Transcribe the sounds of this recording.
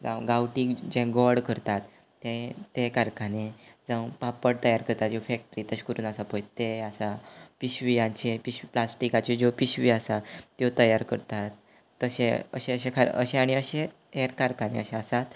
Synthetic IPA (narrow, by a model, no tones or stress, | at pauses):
d͡zã̰ʋɡawʈiːkd͡ʑɛ̃ɡɔɽkəɾt̪at̪ː | ẽt̪ekaɾkanẽd͡zãʋpapəɽt̪əjaɾkəɾt̪at̪d͡ʑefɛk̚ʈəɾiːt̪əɕkəɾuːnasapojt̪easapiɕʋiãɲt͡ɕẽpiɕiplasʈikat͡ɕid͡ʑopiɕʋiasajot̪əjaɾkəɾt̪at̪ː | əɕḛ̃ə̰ɕẽəɕẽkʰaɾ̰ə̰ɕẽaɽ̃iəɕẽ | eɾkaɾkanḛəɕẽəsat̪